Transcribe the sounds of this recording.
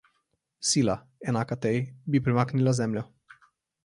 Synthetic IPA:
sila | enakat̪ejbipɾimaknilazɛmlʲo

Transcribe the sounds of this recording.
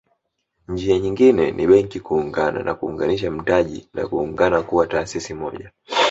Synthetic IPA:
ɲd͡ʒiaɲiŋɡinɛnʔiɓɛŋkikuːŋɡana̰nʔa̰kuːŋɡaniʃam̩taʄḭna̰kuːŋɡanakuwataːsisimɔʄa

